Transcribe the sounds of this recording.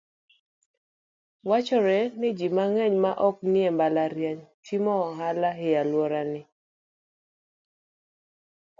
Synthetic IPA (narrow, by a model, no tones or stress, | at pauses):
wat͡ʃɔɾɛnɪd͡ʒimaŋɛɲmaʔɔknɪɛmbalaɾjaɲt͡ʃimɔɦalaɦɪalwɔɾanɪ